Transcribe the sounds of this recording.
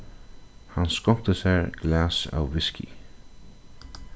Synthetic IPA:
hanskɔmt̪əsæɹɡ̥læːsa̰wʋɪskʰḭ

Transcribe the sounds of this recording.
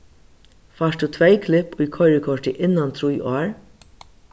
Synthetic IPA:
faːʂtd̪uːt̪ʰʋejkʰlɪpʊjkʰɔjɾɪkʰɔʂʈɪʔɪnːant̪ʰɾujʔɔːɹ

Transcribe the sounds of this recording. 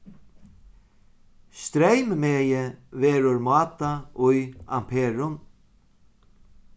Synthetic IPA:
st̪ɾejmmeːjəʋeːɾʊɹmɑːt̪aʊja̰mpʰeːɹʊn

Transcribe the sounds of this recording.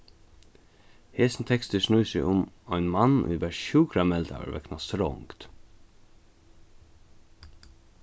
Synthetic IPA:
heːsn̩t̪ʰɛkst̪əʂɳuːsæɪʔʊm | æɪnmɑnʔiːʋæʃçʉːɡɾɑmɛlt̪ʰɑ̰ʋə̰ɾʋɛ̰knɑst̪ɾɔ̰ŋkt̪

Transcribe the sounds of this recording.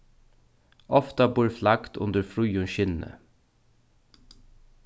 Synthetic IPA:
ʔɔft̪ɑbuːɹflɑkt̪ʰʊ̰nd̪əfɹʉːʊʃɪnə̰

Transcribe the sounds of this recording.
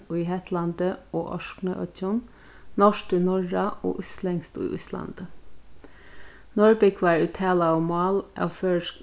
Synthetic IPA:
uːiːɦɛt̪ʰlɑnd̪əoːʔɔ̰ʃknəʔœ̰cɔn | nɔʃʈiːnɔɹɑo̰ːʔʉslɛŋst̪ṵḭːʔʉ̰slɑ̰nd̪̥ə | nɔɹbɪkʰʋɑːɹʉːt̪ʰæːlɑɔmɑːlʔɑ̰føːʃk

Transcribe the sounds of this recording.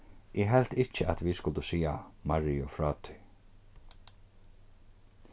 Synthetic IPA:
ʔɛɦɛlt̪ɪt͡ʃəʔat̪ʋiskʊlt̪ʊsiːa̰maɹijʊfɹɑːt̪ʰʏ̥

